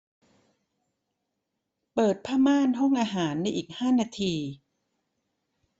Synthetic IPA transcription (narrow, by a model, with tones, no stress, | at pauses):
pɤː˨˩t̪̚pʰaː˥˩maː˥˩˨nɦo˥˩ŋʔaː˧ɦaː˩˦nːa˧jʔiː˨˩k̚haː˥˩naː˧t̪ʰiː˧